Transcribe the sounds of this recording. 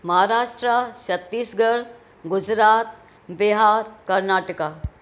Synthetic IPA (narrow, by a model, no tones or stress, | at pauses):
mɐɦaɾaːʂʈɾaʃɐt̪ːiːsɡəɾt̪ | ɡʊd͡ʒɾaːt̪̚ | biɦaːɾkɐɾnaːʈəka